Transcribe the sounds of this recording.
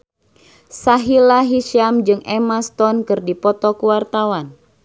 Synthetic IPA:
saɦilaɦiʃamd͡ʒɨŋemast̪ɔnkɨrdipɔt̪ɔkuwart̪awan

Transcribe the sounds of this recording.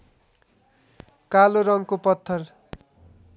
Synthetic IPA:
kaloɾʌŋkopʌt̪ʰːʌr

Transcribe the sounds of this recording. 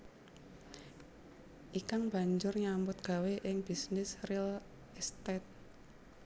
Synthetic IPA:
ʔikaŋb̥a̤ɲd͡ʒʊrɲambʊt̪̚ɡ̥a̤weʔɪŋb̥isnɪsril | st̪ɛt̪̚

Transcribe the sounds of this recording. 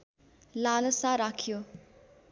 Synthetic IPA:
lalʌsaɾakʰjo

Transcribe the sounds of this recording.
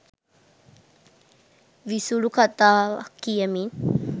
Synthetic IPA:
ʋisulukat̪akiəmin

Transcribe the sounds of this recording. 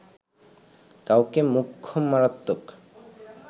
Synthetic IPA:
kawkemukʰːomːaɾat̪ːok

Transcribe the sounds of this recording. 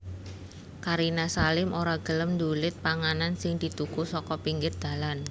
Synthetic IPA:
kaɾinasalɪmoɾaɡ̥ə̤ləmnd̪ulɪt̪̚paŋanansɪŋd̪̥i̤t̪ukusɔkɔpiŋɡɪr̚d̪̥a̤lan

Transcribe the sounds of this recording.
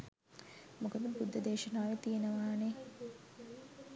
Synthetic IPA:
mukɐd̪əbud̪ːɐd̪eːʃɐnaːʋet̪ijenəʋaːne

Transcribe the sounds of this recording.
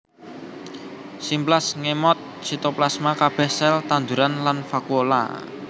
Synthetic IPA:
simplasŋemɔt̪̚ | sit̪oplasmakab̥ɛhsɛlt̪and̪uɾanlanfakuola̰

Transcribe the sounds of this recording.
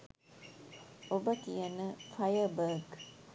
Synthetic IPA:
obəkijɐnəfɐjəbəːɡ

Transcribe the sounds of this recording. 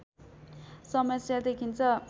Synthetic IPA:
sʌmʌsjad̪ekʰint͡sʰʌ

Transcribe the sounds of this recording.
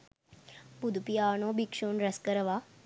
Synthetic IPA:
bud̪ʱpijaːnoːbikʂoːnɾɐskəɾəʋaː

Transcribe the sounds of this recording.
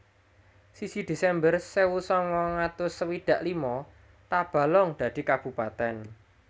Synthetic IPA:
sisid̪̥e̤sɛmbərsewusɔŋwɔŋat̪ʊsəwid̪̥ä̤ʔlimɔ | t̪ab̥ä̤lɔŋd̪̥ä̤d̪̥i̤kab̥ṳpat̪ɛn

